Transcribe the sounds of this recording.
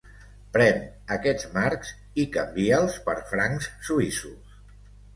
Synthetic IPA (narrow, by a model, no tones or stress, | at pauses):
pɾɛn | əkɛd͡zmaɾkz | ikəmbiəlˠspəɾfɾaŋssuisus